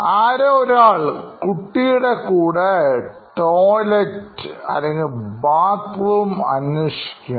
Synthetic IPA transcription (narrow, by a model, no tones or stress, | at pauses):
aːɾeoɾaːɭkuʈːijuɽekuːɽeʈoːletɐ̰lːeŋɡilbaːkruːmɐ̰nːoʂi̥kʲːu